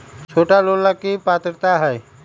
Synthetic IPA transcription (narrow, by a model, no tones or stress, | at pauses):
t͡ʃʰoːʈalollakipaːt̪ɾt̪aɦɛː